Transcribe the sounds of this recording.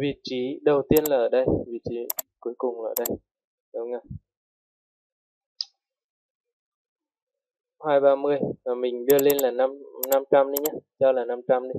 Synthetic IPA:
vi˨˩t̚t͡ɕi˨˦ɗə˨˩wt̪i˧ənlaː˨˩ʔəː˧˩ɗə˧jvi˨˩t̚t͡ɕi˨˦ku˨˦jkʊ˨˩ŋ͡mlaː˨˩əː˧˩ɗə˧j | ɗə˨˦ŋa˨˩j | haː˧jɓaː˧mɨ˧əjmaː˨˩mï˨˩ŋ̟ɗɨ˧əle˧nlaː˨˩na˧mna˧mt͡ɕa˧mɗi˨˦ɲaː˨˦t͡ɕɔ˧laː˨˩na˧mt͡ɕa˧mɗi˨˦

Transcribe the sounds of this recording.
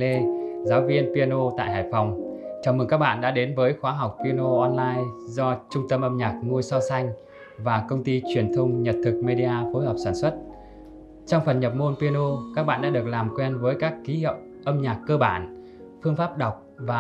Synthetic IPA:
le˧zaː˨˦wvi˧ənpi˧ə˧no˧t̪a̰ː˧˨jɦa̰ː˧˨˩jfa˨˩wŋ͡mt͡ɕa˨˩wmɨ˨˩ŋka˦˥k̚ɓa̰ː˧˨nɗa̰ː˧˥ɗe˨˦nvəː˨˦jxwaː˨˦ɦa˨˩wk͡p̚pi˧ə˧no˧ʔɔ˧nlaː˧jzɔ˧t͡ɕʊ˧ŋ͡mt̪ə˧mʔə˧mɲaː˨˩k̚ŋu˧əjsaː˧sa˧jŋ̟ | vaː˨˩kə˧wŋ͡mt̪i˧t͡ɕwi˧˩ənt̪ʰə˧wŋ͡mɲə˨˩t̚t̪ʰɨ˨˩k̚me˧ɗi˧ʔaː˧fo˨˦jɦɔ˨˩wk͡p̚saː˧˩nswə˦˥t̚ | t͡ɕɔ˧ŋ͡mfə˨˩nɲə˨˩p̚mo˧npi˧ə˧no˧kaː˦˥k̚ɓa̰ː˧˨nɗa̰ː˧˥ɗɨ˨˩ək̚laː˨˩mkwɛ˧nvəː˨˦jkaː˦˥kːi˨˦hḭ˧˨w | ʔə˧mɲaː˨˩kːəː˧ɓa̰ː˧˩˨n | fɨ˧əŋfaː˦˥p̚ɗa˨˩wk͡p̚vaː˨˩

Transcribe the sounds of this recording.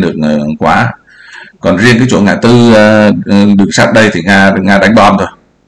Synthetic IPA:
ɗɨ˨˩ək̚ːkwaː˨˦ | kɔ˨˩nzi˧əŋkaː˨˦t͡ɕṵ˧˩ŋaː˧˨˩jt̪ɨ˧ɗɨ˨˩əŋsa˦˥p̚ɗə˧jt̪ʰi˨˩ŋaː˧ŋaː˧ɗa˨˦jŋ̟ɓɔ˧nt̪ʰo˧j

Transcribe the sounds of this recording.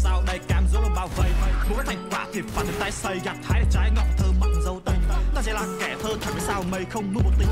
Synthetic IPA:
saː˧wɗa˨˩jkaː˨˩mzo˨˦lə˨˧˩ɓaː˧˩wvə̰˧˨jkə˦˥t̪ʰa˧jŋ̟kwaː˧˩t̪ʰi˨˩p̚vaː˨˩t̪̚ʰːt̪aː˨˦jsə˧˩jɣa˨˩p̚haː˧jt̪ə˨˩t͡ɕaː˨˦jŋɔ˨˩w̚t̪ʰəː˨˦ma˧wŋ͡mzə˨˦wt̪ə˧jŋ˧˦zaː˨˧˥zɛ˧˩laː˨˩kɛ˧˩t̪ʰəː˧nt͡ɕʰa˧˩və˨˦saː˧wmə˨˧˩jxə˧wŋ͡mnu˨˦˥mo˨˩t̪̚i˧ŋ

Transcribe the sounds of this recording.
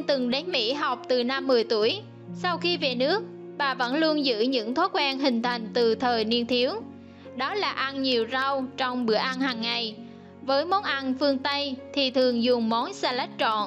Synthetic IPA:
t̪ɨ˨˩ŋɗa˨˦ŋmḭ˧˥ɦa˨˩wk͡p̚t̪ɨ˨˩na˧mːɨ˨˩əjt̪u˧˩əj | sa˧wxi˧ve˨˩nɨ˦˥ək̚ | ɓaː˨˩və̰˧˥nlu˧ənzɨ̰˧˥ɲɨ̰˧˥ŋt̪ʰwaː˦˥t̚kwaː˧nɦï˨˩ŋ̟t̪ʰa˨˩jŋ̟t̪ɨ˨˩t̪ʰəː˨˩jni˧ənt̪ʰi˨˦əw | ɗɔ˨˦laː˨˩ʔa˧nɲi˨˩əwza˧wt͡ɕɔ˧wŋ͡mɓɨ˧˩əʔa˧nhaː˨˩ŋːa˨˩j | vəː˨˦jmɔ˨˦nʔa˧nfɨ˧əŋt̪ə˧jt̪ʰi˨˩t̪ʰɨ˨˩əŋzʊ˨˩ŋ͡mmɔ˨˦nsaː˧la˦˥jk̚t͡ɕɔ̰˧˨n

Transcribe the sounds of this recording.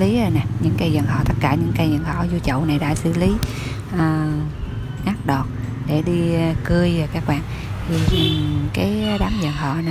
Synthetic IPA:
li˨˦ə˧jna˨˩ɲɨ̰˧˥ŋkaː˨˦jzə˨˩nɦɔ̰˧˨t̪ə˦˥t̚kaː˧˩ɲɨ̰˧˥ŋkaː˨˦jzə˨˩nhɔ̰˧˨zu˧t͡ɕə̰˧˨wna˨˩jɗa̰ː˧˥sɨ̰˧˩li˨˦ | ʔəː˨˩ | ŋaː˦˥t̚ɗɔ˨˩t̚ɗe˧˩ɗi˧˨kɨ˧əjvaː˨˩kaː˦˥k̚ɓaː˧˨ŋ | t̪ʰi˨˩˨kaː˨˦jɗaː˨˦mzə˨˩nɦɔ̰˧˨n˨˧

